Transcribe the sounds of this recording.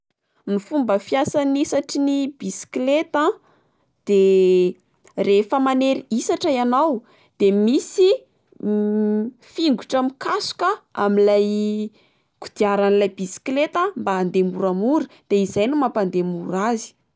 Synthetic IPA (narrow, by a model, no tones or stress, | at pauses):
nifumbəfjasanisaʈ͡ʂinibisi̥klet̪a | d̪̥e | refəmaneɾiisaʈ͡ʂajanaw | d̪̥emisi | fiŋɡuʈ͡ʂamikasu̥kəa̰milaj | kud̪̥iaɾanilajbisi̥klet̪ambaːnd̪emuɾamuɾud̪̥eizajnumapand̪emuɾazi̥